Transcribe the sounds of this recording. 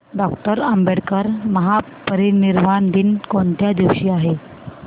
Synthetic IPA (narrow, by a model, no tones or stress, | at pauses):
ɖɔkʈəɾəmbeɽkəɾməɦa | pəɾiniɾmand̪inkoɳt̪jad̪iʋɕiːaɦe